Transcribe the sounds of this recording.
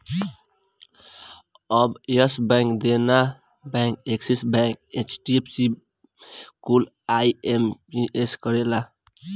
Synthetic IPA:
ʌbeɔsbɛŋkd̪ena | bɛ̃ŋkeksisbɛ̃ket͡ʃʈiepʰsi | kul | ajemiʔeskɔɾela

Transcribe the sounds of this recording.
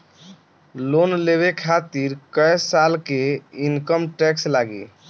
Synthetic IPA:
lonleβekʰat̪iɾkəjsalkeinkəmʈɛkslaɡḛ

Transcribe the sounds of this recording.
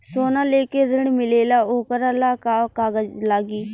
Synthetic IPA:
soːnãːleːkeːɾɪɳmɪleːlaːoːkəɾaːlaːkaːkaːɡəd͡ʒlaːɡiː

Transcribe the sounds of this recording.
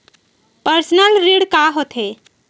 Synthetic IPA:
pəɾsnəlɾiɽkaɦot̪ʰɦe

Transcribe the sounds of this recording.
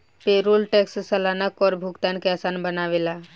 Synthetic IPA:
peːɾoːlʈeːkssəlaːnəkɔːɾbʱʊɡt̪aːnkeaːsaːnbənaːʋelaː

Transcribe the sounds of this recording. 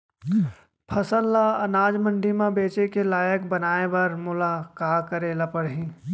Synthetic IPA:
pʰəsəlːaɐnaːd͡ʒmə̃ɳɖʱimãbeːt͡ʃekelaːjəkbɐnaːebɐɾmʊlaːkaːkəɾeːlɐpəɽɦĩː

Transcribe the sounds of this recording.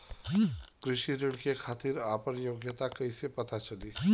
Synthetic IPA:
kɾɪʃiɾɪɽkekʰaːt̪iɾaːpəɾjoːɡjət̪akɐisepɐt̪at͡ʃɐliː

